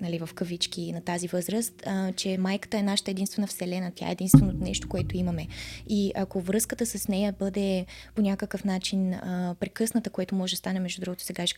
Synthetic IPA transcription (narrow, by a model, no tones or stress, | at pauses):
nɐlivəfkəvit͡ʃk̟inɐt̪azivɤzɾəst̪t͡ʃɛmajkə̥t̪əɛnaʃə̥t̪əɛd̪inst̪vɛnəfsɛlɛnət̪ʲja̰ɛ̰ɛd̪inst̪vɛnonɛʃt̪o̥koɛt̪oimɐmɛiʔɐkovɾɤskət̪əsɐsnɛjəbɤd̪ɛponʲakəkəfnat͡ʃinpɾɛkɤsnət̪əkoɛt̪omɔʒɛd̪ɐst̪anɛmɛʒd̪ud̪ɾuɡot̪o̥sɛɡaʃk